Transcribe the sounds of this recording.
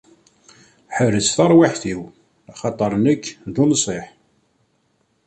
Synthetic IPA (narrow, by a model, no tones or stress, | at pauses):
ħəɾət͡sθəɾˤwaħθiw | ɑχɑt̪ˤːəɾˤnəkːðunsˤeħ